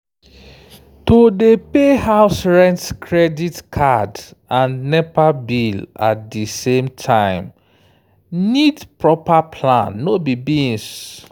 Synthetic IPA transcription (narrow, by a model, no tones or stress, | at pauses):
todepehaʊsɹɛ̃ntkʰɹɛditkʰadʔãnnɛpabila̰t̚disẽmtʰãɪ̃m | nidpɹɔpapʰlãnːobibĩns